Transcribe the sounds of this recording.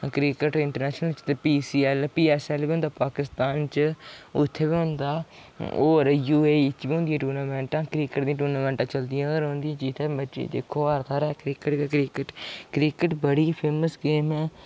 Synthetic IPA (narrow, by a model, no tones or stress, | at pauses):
kɾiːkəʈɪɳʈəɾnɛːʃnəlt͡ʃt̪epiːsiːɛːlpiːɛːsɛːlbiːɦʊ̃nd̪aːpaːkɪst̪aːnt͡ʃʊt̪ʰːeːbiːɦʊ̃nd̪aː | o̰ːɾjuːeːɪt͡ʃbiːɦʊ̃nd̪ijãːʈuːɾnaːmɛ̃ːɳʈãːkɾiːkəʈd̪ĩːʈuːɾnaːmɛ̃ːɳʈãːt͡ʃəld̪iãːɡəɾɦʊ̃nd̪ijãːd͡ʒɪt̪ʰeːbəːʃḛːd̪eːkʰːoːəɾt̪ʰaːɾɛːkɾɪkəʈːkɾɪkəʈkɾɪːkəʈbəɽiːpʰeːməsɡeːmɛː